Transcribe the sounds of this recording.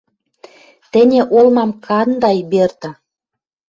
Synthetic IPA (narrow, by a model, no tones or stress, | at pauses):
t̪ɘ̆nʲĕʔolmɑmkʰɑnd̪ɑjbert̪ə̆